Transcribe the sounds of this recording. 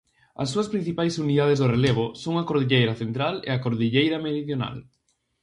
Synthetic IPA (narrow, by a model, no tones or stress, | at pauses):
ɐ̰sːuɐspɾin̟θipajsuniðað̞ezðoreleβ̞osoŋɐkoɾðiʎejɾɐθent̪ɾalḛakoɾðiʎejɾɐmeɾiðjona̰l